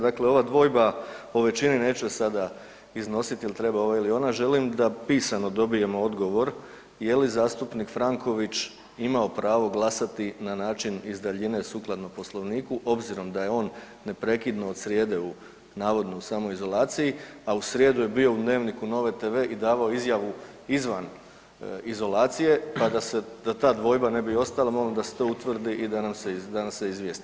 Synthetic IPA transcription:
d̪akle̞o̞ʋad̪ʋo̞ːjbaoʋe̞t͡ʃinine̞ːt͡ʃesad̪a | izno̞sit̪jilt̪ɾe̞bao̞ʋailio̞ːnaʒe̞limd̪apiːsano̞d̪o̞bije̞moo̞d̪ɡo̞ʋo̞ɾ | je̞lizaːst̪upnikfɾaŋkʰo̞ʋit͡ʃ | imao̞pɾaːʋo̞ɡlˠasat̪inanaːt͡ʃinizd̪aʎine̞suːklˠad̪nopo̞slˠo̞ʋniːkuʔo̞bziɾo̞md̪aje̞o̞ːnː | e̞pɾe̞kid̪no̞ːd̪sɾʲje̞ːd̪e̞u | naːʋo̞d̪no̞usaːmojizo̞laːt̪sijiausɾjed̪uje̞bio̞ud̪ne̞ːʋnikuno̞ʋe̞t̪e̞ːʋe̞ːʔid̪aːʋao̞izjaʋu | izʋan | izo̞laːt̪sije̞pad̪ased̪at̪aːd̪ʋo̞jbane̞bio̞st̪alˠamo̞lamd̪aset̪o̞ːut̪ʋr̩d̪iʔid̪anamsed̪anaseizʋjeːst̪i

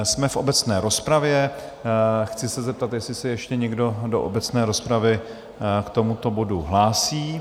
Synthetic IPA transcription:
smɛfʔo̞bɛt͡snɛːɾo̞spɾavjɛ | xt͡sɪsɛzɛp̚t̪at̪jɛslɪsɛjɛʃcɛɲɛɡdo̞do̞ʔo̰bɛt͡snɛːɾo̞spɾavɪ | kt̪o̞mut̪o̞bo̞duɦlaːsiː

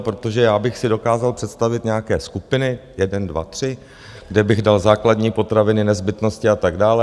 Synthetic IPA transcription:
pɾot̪o̞ʒɛjaːbɪxsɪdo̞kaːzalpr̝̥ɛt̪st̪avɪt̪ɲɛjakɛːskupɪnɪjɛdɛndva̰t̪r̥ɪ | ɡdɛbɪɣdalzaːkladɲiːpo̞t̪ɾavɪnɪnɛzbɪt̪no̞scɪat̪aɡdaːlɛ

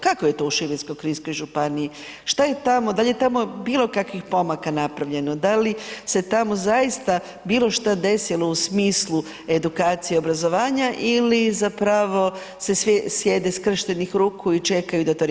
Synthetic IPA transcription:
kakoje̞t̪o̞uʃiʋiskojkɾinsko̞jʒupanii | ʃt̪aje̞t̪amo̞d̪alʲje̞t̪amobiːlˠo̞kakʋixpo̞makanapɾaʋʎe̞nod̪alise̞t̪amo̞zajist̪a | biːlˠo̞ʃt̪ad̪e̞silo̞usmiːslˠu | e̞d̪ukaːt̪sijeo̞bɾazo̞ʋaːɲaʔilizapɾaʋo̞ | se̞sesje̞d̪eskr̩ʃt̪enixɾuːkʰuit͡ʃe̞kajud̪at̪oɾ

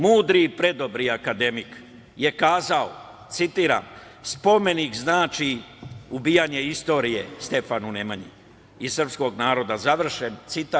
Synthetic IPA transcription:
muːd̪ɾipɾe̞d̪o̞bɾiakad̪e̞mik | je̞kaːzao | t̪sit̪iːɾa̰m | spo̞me̞nikznaːt͡ʃiubiːjaɲe̞ist̪o̞ːɾijest̪e̞fanunemaɲḭ | isr̩psko̞ɡnaːɾo̞d̪azaʋr̩ʃe̞nt̪sit̪a

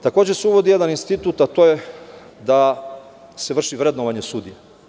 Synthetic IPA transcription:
t̪ako̞ːd͡ʑeseuʋo̞d̪ije̞d̪aninst̪it̪ut̪at̪o̞je | d̪a | seʋr̩ʃiʋɾed̪noʋaɲe̞sud̪ije

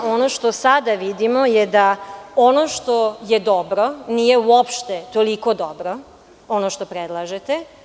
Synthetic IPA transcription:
onoʃt̪o̞sad̪aʋid̪imojed̪ao̞noʃt̪ojed̪obɾo̞nijeuopʃt̪et̪olikod̪obɾo | onoʃt̪opɾed̪lˠaʒet̪e

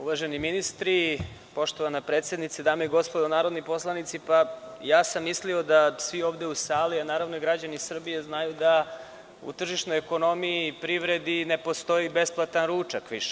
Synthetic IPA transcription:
uʋaʒeniminist̪ɾi | po̞ʃt̪o̞ʋanapɾeːt̪sje̞d̪nit̪sed̪aːmeiɡo̞spo̞d̪anaːɾo̞d̪nipo̞slˠanit̪sipajaːsamːislio̞d̪asʋio̞ːʋd̪eusaːlianaːɾaʋnoiɡɾad͡ʑanisr̩bijeznajud̪a | ṵt̪r̩ʒiʃnojeko̞no̞miipɾiʋɾe̞d̪ine̞po̞st̪o̞ibe̞splˠat̪anɾuːt͡ʃakʋiʃe̥

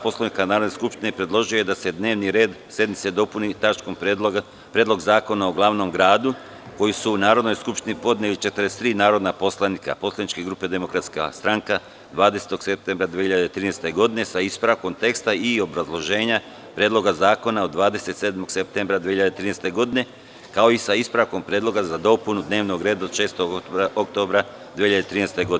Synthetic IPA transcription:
po̞slˠanikanaːɾod̪neskupʃt̪inepɾe̞d̪lˠo̞ʒijojed̪ase̞d̪ne̞ːʋniɾe̞ːd̪ | sje̞d̪nit̪se̞d̪o̞punit̪at͡ʃko̞m | pɾed̪lo̞ɡzaːko̞naoɡlˠaʋno̞mɡɾaːd̪u | ko̞jisuːnaːɾo̞d̪nojskupʃt̪inipo̞d̪neʋit͡ʃe̞t̪ɾest̪ɾiːnaːɾo̞d̪napo̞slˠanika̰po̞slˠanit͡ʃke̞ɡɾuːpe̞d̪e̞mo̞kɾat̪ska̰st̪ɾaŋka | d̪ʋaːd̪eset̪o̞ɡ̥sep̚t̪eːmbɾad̪ʋieçiʎad̪et̪ɾiːnest̪e̞ɡo̞d̪ine̞saispɾako̞mt̪e̞kst̪aio̞bɾazlˠo̞ʒe̞ːɲa | pɾeːd̪lˠo̞ɡazaːko̞naod̪ːʋaːd̪e̞se̞t̪seːd̪mo̞ɡ̥sep̚t̪embɾad̪ʋieçiʎad̪et̪ɾiːnest̪e̞ɡo̞d̪ine̞ | kao̞isaispɾako̞mpɾjeːd̪lˠo̞ɡazad̪o̞punud̪neːʋno̞ɡɾe̞ːd̪aod̪ʃeːst̪o̞ɡok̚t̪obɾa | d̪ʋeçiʎad̪et̪ɾiːnest̪e̞ɡod̪

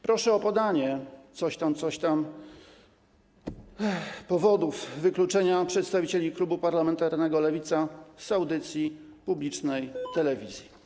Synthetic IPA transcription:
pɾɔʂɛɔpɔd̪aɲɛt̪sɔɕt̪amt̪sɔɕt̪am | pɔvɔd̪ufvɘklut͡ʂɛɲapʂɛt̪st̪avʲit͡ɕelʲiklubupaɾlamɛnt̪aɾnɛɡɔlɛvʲit̪sasawd̪ɘt̪sʲji | publʲit͡ʂnɛjt̪ɛlɛvʲizʲji

